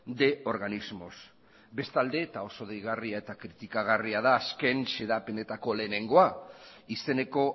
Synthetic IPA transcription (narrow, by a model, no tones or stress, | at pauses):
d̪e̞o̞ɾɣanizmo̞s | be̞st̪ald̪e̞t̪ao̞so̞ð̞ejɣariae̞t̪akɾit̪ikaɣ̞ariaðaːske̞nse̞ðape̞ne̞t̪ako̞le̞ːne̞ŋɡo̞aise̞ne̞ko̞